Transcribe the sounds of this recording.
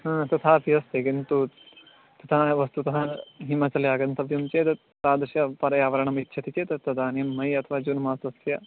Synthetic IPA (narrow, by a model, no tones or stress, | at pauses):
ɦɐ̃ːt̪ɐt̪ʰaːp̪ʰiɐst̪ekint̪u | t̪ɐt̪ʰaʋɐst̪ut̪ɐɦaɦimɐt͡sɐljaːɡɐnt̪ɐʋjɐmt͡ʃeːt̪ɐ | t̪aːd̪ɾʃjɐpɐɾɐjaːʋɐɾɐɳɐmitːʃʰɐt̪it͡ʃeːt̪ɐt̪ɐd̪aːnjɐmːɐjɐt̪ʰɐʋaːd͡ʒunmaːsɐsjɐ